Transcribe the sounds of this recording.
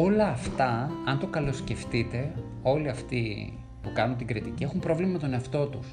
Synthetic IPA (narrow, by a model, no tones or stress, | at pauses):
o̞lɐːft̪ɐɐnt̪okɐlo̞sce̞ft̪it̪e̞ | o̞liɐft̪i | pukɐnunt̪iŋɡɾit̪icie̞xumpɾo̞vlimɐmet̪o̞neɐft̪o̞t̪us